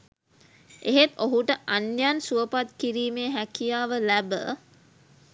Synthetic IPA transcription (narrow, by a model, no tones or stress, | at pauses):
ʔeɦet̪oɦuʈəʔanjansuʋəpat̪kiɾiːmeːɦækijaːʋəlæbə̰